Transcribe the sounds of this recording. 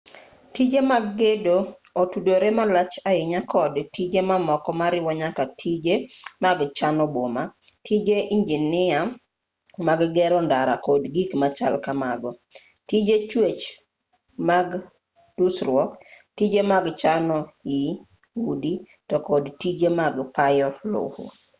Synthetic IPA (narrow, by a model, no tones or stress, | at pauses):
tid͡ʒemaɡːedo | otudoɾemalat͡ʃaɪɲakʰɔdtid͡ʒemamɔkɔmaɾɪwɔɲakatʰid͡ʒemaɡt͡ʃanɔboma | tʰid͡ʒeʔiɲd͡ʒinɪa | maɡɡɛɾɔndaɾakodɡikmat͡ʃa̰lkamaɡɔ | tid͡ʒet͡ʃwet͡ʃ | maɡ | dusɾwɔk | tid͡ʒemaɡt͡ʃanɔi | udi | tɔkɔdtid͡ʒemaɡpajɔlo̰ho̰